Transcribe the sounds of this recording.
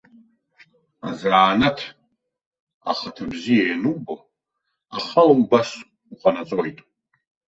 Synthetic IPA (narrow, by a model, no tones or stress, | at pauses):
azaːnatʰ | a̰χatʰabzijajanubo | aχalambas | uχʷanat͡sʼojtʼ